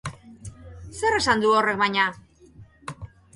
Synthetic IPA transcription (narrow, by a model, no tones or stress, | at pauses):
se̞re̞sand̪uore̞k̚bajɲa